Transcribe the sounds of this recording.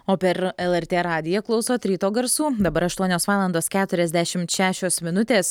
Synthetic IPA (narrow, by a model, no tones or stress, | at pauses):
oːpʲɛɾɛlˠɛɾʲt̪ʲeːɾɑːd̪ʲɪjɛklˠɒʊsoːt̪ʲɾʲiːt̪oːɡɐɾsuːd̪ɐbɐɾɐʃt̪uɔnʲoːsʋɑːlˠɐnd̪oːskʲæːt̪ʊɾʲɛzʲd̪ʲæʃʲɪmt̪ʃʲæːʃʲoːsmʲɪnʊt̪ʲeːs